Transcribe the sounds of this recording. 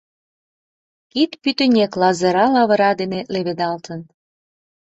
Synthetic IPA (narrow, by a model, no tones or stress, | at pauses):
kit̪pyt̪ənʲeklɑzə̆ɾɑlɑβə̆ɾɑd̪eneleβed̪ɑlt̪ə̆n